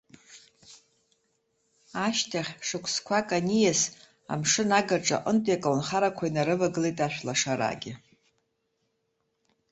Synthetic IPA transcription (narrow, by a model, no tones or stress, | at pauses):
aʃtʰaχʲʂɨkʷʰskʷʰakʼanijas | a̰mʂɨnaɡarʈ͡ʂʼa̰ʔʼəntʼjakʼlanχaɾakʷʰainaɾɨvaɡɨlejtʼaʃʷᶣlaʂaɾa̰ɡʲɪ